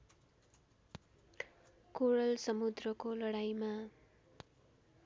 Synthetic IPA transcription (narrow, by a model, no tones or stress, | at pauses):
koɽʌlsʌmud̪rʌkolʌɽajma